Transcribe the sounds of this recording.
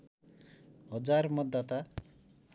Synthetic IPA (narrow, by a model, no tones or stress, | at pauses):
ɦʌd͡ʒaɾmɔd̪at̪a